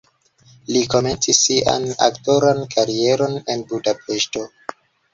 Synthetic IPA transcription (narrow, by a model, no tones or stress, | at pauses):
liko̞me̞nt͡sisːiʔa̰na̰kto̞ɾankʰaɾie̞ɾo̞ne̞nbudape̞ʃto̞